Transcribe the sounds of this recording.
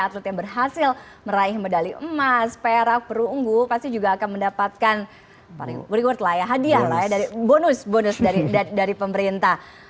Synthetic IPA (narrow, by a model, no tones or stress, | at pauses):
at̪lɛt̪jaŋbərɦasɪl | məɾaihmədaliʔəmaspeɾak̚pəɾuŋɡupast̪id͡ʒuɡaːkanməndapat̪̚kan | paɾ̰uɾiwʊrt̪lajaɦadiahlajadaɾibonʊsbonʊsdaɾidaɾipəməɾint̪ah